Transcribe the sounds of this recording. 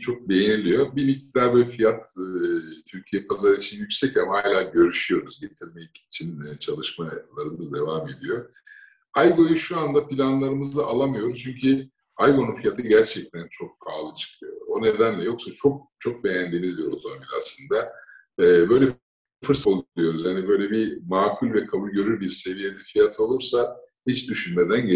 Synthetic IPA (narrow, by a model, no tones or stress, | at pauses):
t͡ʃʰo̞k̚be̞jinilʲijo̞bibic̚d̪aɾbɛfijat̪ː | t̪ʰyɾcʰijɛpʰazaɾɯit͡ʃʰinjycsɛcamahaːlʲaːɟø̞ɾyʃyjo̞ɾuzɟe̞t̪ʰiɾmɛit͡ʃʰinːt͡ʃʰalˠɯʃmalˠaɾɯmɯzd̪e̞vaːme̞d̪ijo̞ | ajɡo̞juʃuand̪apʰilʲanlˠaɾɯmɯzd̪aʔalˠamɯjo̞ɾuzt͡ʃʰyɲcʰy | ajɡo̞nunfijat̪ʰɯɟæɾt͡ʃʰɛc̚t̪ʰænt͡ʃʰo̞k̚pʰaːlˠɯt͡ʃʰɯ̥kʰɯjo̰ɾo̞ne̞d̪ænlʲɛjo̞ksat͡ʃʰo̞k̚t͡ʃʰo̞k̚be̞jænd̪imizbiɾo̞̰t̪ʰo̞mobilʲa̰slˠɯnd̪a | ɛːbø̞jlʲɛ | fɯɾsolˠilʲˠijo̞ɾuzjanibø̞jlʲɛbimaːkʰulʲvɛkʰabulʲɟø̞ɾyɾbiɾse̞vije̞d̪ɛfijat̪ʰo̞lˠuɾsa | hit͡ʃd̪yʃynmed̪æn